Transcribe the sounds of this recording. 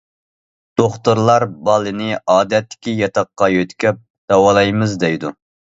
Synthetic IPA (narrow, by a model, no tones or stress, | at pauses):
d̪̥oχt̪uɾlˠɑɾbɑlˠɨnɨɑːd̪ɛt̪ːɪ̥kʲijɑt̪ʰɑqːɑjøt̪kʲɛp̚d̪̥ɑwɑlˠɑjmɨzd̪ɛjd̪u